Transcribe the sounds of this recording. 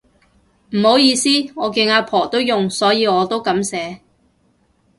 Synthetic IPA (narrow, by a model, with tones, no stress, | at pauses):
m̩˨˩ho˨˥wjiː˧siː˥ɔː˨˧kɪ˧ŋaː˧pʰɔː˨˩t̪o˥wjʊ˨ŋsɔː˨˥jiː˨˧ɔː˨˧t̪o˥wkɐ˨˥msɛː˨˥